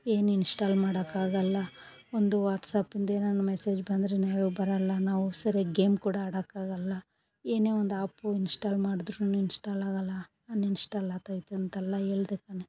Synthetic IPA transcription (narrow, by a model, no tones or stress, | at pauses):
eːninsʈaːlmaːɽɐkaːɡɐlːɐ | ond̪uʋaːʈsaːpind̪enɐnːɐmɛseːd͡ʒbɐnd̪ɾenaːʋeɡbɐɾɐlːɐnaːʋusɐɾeɡeːmkuːɽɐːɽɐkːaːɡɐlːɐ | eːneːond̪aːpːuinsʈaːlmaːɽid̪ɾuɐnːuinsʈaːlaːɡɐlːɐ | ɐnːinsʈaːlaːt̪aːjit̪ːeɐnt̪ɛlːɐe̞ːɭd̪ekɐne